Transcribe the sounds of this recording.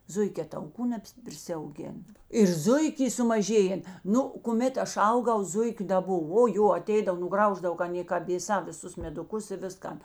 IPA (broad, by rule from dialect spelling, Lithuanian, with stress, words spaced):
ˈzʊɪkʲɛː tɐʊˈkuː nʲɛpʲpʲrʲɪsʲɛʊˈɡʲeːn ɪr ˈzʊɪkʲ ˈiː sʊmɐˈʒʲeːjɛn ˈnʊ kʊˈmʲeːt ˈɐʃ ˈɐʊˌɡɐʊ ˈzʊɪkʲʊ dɐ ˈboːw oː ˈjoː ɐˈtʲɛɪdɐw nʊˈɡrɐʊʒdɐw kɐ ɐˈnʲeː kɐt ʋʲeːˈsɑː ʋʲɪsˈʊs mʲɛdʊˈkʊs ɪ ˈʋʲɪskɐn